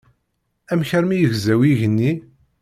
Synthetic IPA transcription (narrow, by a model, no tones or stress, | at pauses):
æmçəɾmijəʝzæwiʝənːi